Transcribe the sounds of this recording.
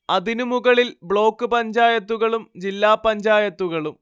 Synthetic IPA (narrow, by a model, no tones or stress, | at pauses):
ɐðinumuɣɐɭilbɭo̞ːkːɨpɐɲd͡ʑaːjɐt̪ːuɣɐɭumd͡ʑilːaːpːɐɲd͡ʑaːjɐt̪ːuɣɐɭum